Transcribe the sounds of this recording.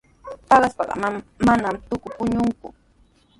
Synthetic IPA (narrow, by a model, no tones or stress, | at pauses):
pɑɢɑspɑɢɑ̰mamːanamt̪ʊkʊpʊɲʊŋkʊ̰